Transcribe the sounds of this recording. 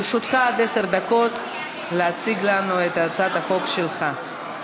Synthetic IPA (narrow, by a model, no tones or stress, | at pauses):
ʃut̪χaad̪eseʁd̪ako̞t̪ | leat͡siɡlanuet̪at͡sat̪haχo̞kʃelχa